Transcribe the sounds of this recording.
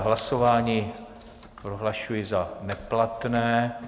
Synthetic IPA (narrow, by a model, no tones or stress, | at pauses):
ɦlasovaːɲiː | pɾoɦlaʃujɪzanɛplat̪nɛː